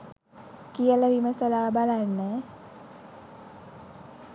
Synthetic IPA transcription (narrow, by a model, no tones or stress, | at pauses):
kijələʋiməsəlaːbalanːə